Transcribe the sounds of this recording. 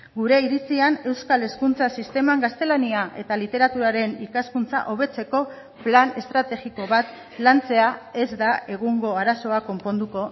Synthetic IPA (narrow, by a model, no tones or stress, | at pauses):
ɡuɾe̞iɾit͡siane̞wskale̞skunt͡sasist̪e̞maŋɡast̪e̞laniaʔe̞̰t̪alit̪e̞ɾat̪uɾaɾe̞nikaskunt͡sa̰ʔo̞β̞e̞t͡se̞ko̞ | plane̞st̪ɾat̪e̞ɣiko̞βat̪ | lant͡se̞ae̞zd̪ae̞ɣ̞uŋɡo̞aɾaso̞ako̞mpo̞nd̪uko̞